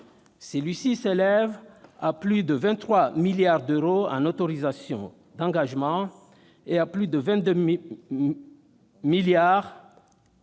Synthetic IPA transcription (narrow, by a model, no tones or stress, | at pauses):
səlɥisiselɛvaplyd̪əvɛ̃t̪ːχwamiljaʁd̪øʁoɑ̰̃not̪ɔʁizasjɔ̰̃ | d̪ɑ̃ɡaʒmɑ̃ | eaplyd̪əvɛ̃t̪̚d̪ø | miljaʁ